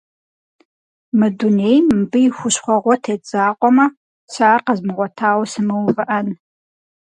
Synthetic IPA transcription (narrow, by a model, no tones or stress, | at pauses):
mɨduneːjmbɨjɪxʷʊɕχʷɔʁʷɔtʰeːd͡zaːqʷʼɔmɐ | saːrqəzmɨʁʷɔtʰaːwsɨmɨwvɨʔɐn